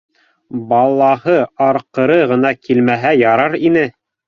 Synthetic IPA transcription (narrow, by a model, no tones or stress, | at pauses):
bɑlˠːɑhɤɑɾqɤ̆ɾɤʁɤ̆nɑkilmæɦæjɑɾɑɾinɘ